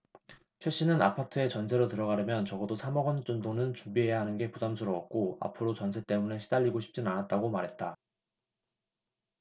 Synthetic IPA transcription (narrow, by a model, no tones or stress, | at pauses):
t͡ɕʰwe̞ɕ͈inɯna̰pʰatʰɯe̞t͡ɕʌnsʰe̞ɾotɯɾʌɣaɾɯmjʌnt͡ɕʌɡʌdosʰamʌɡʌnt͡ɕ͈ondonɯnt͡ɕumbiɦe̞jaɦanɯnɡe̞pudamsʰuɾʌʌk̚k͈oa̰pʰɯɾot͡ɕʌnsʰe̞t͈e̞muneɕʰidaʎːiɡoɕʰi̥p̚t͡ɕ͈inanat̚t͈aɡomaɾɦe̞t̚t͈a